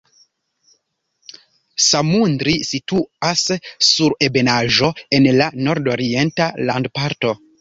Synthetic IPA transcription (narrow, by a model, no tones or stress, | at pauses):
samundɾisituasːuɾe̞be̞naʒo̞e̞nlano̞ɾdo̞ɾie̞ntalandpaɾto̞